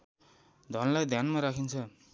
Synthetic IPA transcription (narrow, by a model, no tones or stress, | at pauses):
d̪ʱʌnlajd̪ʱjanmaɾakʰint͡sʰʌ